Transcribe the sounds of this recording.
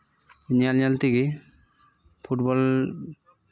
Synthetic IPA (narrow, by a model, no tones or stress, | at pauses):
ɲalɲalt̪iɡi | pʰuʈbɔl